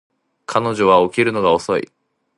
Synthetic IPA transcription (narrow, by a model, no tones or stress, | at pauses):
kʰano̞ʑo̞βao̞kʲiɾɯ̟no̞ɡao̞so̞ḭ